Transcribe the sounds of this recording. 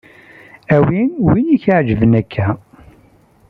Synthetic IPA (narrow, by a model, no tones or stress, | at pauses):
æwinwiniçʕd͡ʒəvənækʰːæ